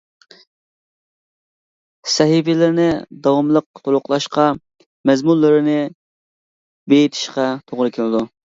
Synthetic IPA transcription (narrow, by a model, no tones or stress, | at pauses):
sɛɦifɪlɪɾnɪd̪ɑwɑmlˠəq̚t̪ʰolˠʊqlˠɑʃqɑ | mɛzmulːɨɾɪnɪ | bejit̪ʰɪ̥ʃqɑt̪ʰoʁɾɨkʲʰɪlɪd̪u